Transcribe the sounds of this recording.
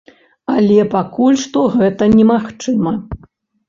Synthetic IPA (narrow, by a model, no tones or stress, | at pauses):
alʲɛpakulʲʂt̪ɔɣɛt̪ɐnʲɛmaxt͡ʂɨmɐ